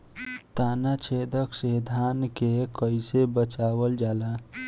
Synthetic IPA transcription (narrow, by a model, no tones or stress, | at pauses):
t̪anat͡ʃʰed̪əksed̪ʱankekəɪsebət͡ʃabəld͡ʒala